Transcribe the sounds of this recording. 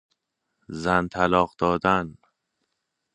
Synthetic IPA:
zænt̪ʰælɒːɢd̪ɒːd̪æn

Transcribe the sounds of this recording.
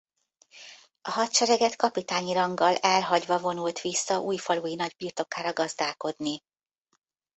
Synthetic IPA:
ɒɦɒt̪t͡ʃɛɾɛɡɛt̪kɒpit̪aːɲiɾɒŋɡɒlɛlɦɒɟvɒvo̞nult̪ʋisːɒʔuːjfɒluːjinɒɟbiːrt̪o̞kaːɾɒɡɒzd̪aːlko̞d̪ni

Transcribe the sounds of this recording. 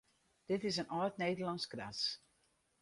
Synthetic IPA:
d̥ɪtɪsənʔɔjtneːdərlɑnskra̰s

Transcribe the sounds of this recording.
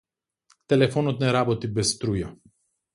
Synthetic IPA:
t̪ɛlɛfɔnɔt̪nɛɾabɔt̪ibɛsːt̪ɾuja

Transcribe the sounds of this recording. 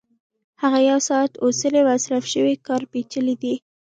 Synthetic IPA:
haɣajawsɑat̪osəlewasɾafʃəwikɑɾpet͡ʃəlid̪i

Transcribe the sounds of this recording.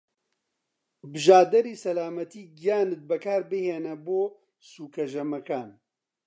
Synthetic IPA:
bɨʒaːd̪ɐɾiːsɐlaːmɐt̪iːɡijaːnɨt̪̚bɛkʰaːɾbɨheːnɛboː | suːkʰɐʒɐmɐkaːn

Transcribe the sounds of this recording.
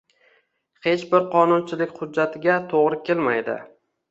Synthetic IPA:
he̞t͡ʃbɪɾqʰɒnʊnt͡ʃʰɪlɪkʲχʊdːat̪ʰɪɡʲat̪ʰoʁɾɪkʲe̞lma̰jd̪ɪ̰

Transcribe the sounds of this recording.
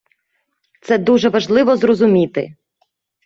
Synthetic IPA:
t̪sɛd̪uʒɛʋɐʒlˠɪʋɔzrɔzʊmʲit̪ɪ̰

